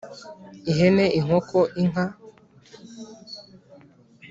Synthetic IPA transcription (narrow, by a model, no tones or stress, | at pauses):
iɦɛneiŋwɔkʰɔʔiŋ̥a